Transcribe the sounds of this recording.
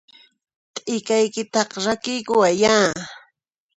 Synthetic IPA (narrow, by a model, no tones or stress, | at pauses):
t̪ʼɪkajkɪt̪ɑqɾakɪjkʊwajaː